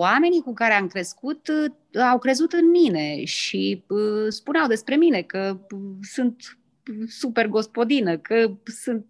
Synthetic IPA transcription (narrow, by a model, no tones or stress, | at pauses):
ame̞nikukaɾeamkɾe̞skut̪ | awkɾe̞zut̪ɨnmine̞ʃiəspuneawd̪e̞spɾe̞mine̞kəsunt̪ | supe̞rɡo̞spo̞d̪inəkəsunt̪̚